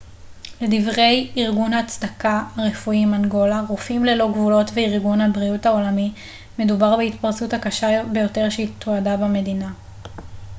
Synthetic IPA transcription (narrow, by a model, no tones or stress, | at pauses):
le̞divʁe̞jiʁɡunhat͡sdakaːʁe̞fuimanɡo̞laʁufimle̞lo̞ɡvulo̞tveiʁɡunhabʁiuthao̞lami | me̞dubaʁbeitpaʁsuthakaʃabe̞jo̞te̞ʁʃeit̪oadabame̞dina